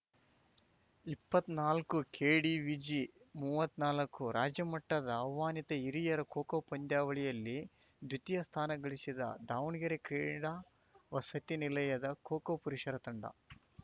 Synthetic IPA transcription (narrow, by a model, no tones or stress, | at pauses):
ipːɐt̪ːnaːlkukʰeːɽiʋid͡ʒimuːʋɐt̪ːnaːlɐkːuɾaːd͡ʒjɐmɐʈːɐd̪ɐɐwʋaːnit̪ɐiɾijɐɾɐkoːkɐwpɐnd̪jaːʋɐɭijɐlːi | d̪ut̪ijɐst̪ʰaːnɐɡɐɭisid̪ɐ̰d̪aːwnɡɐɾekɾeːɽaː | ʋɐsɐt̪inilɐjɐd̪ɐkɔːkɐpuɾiʃɐɾɐt̪ɐɳɖɐ̰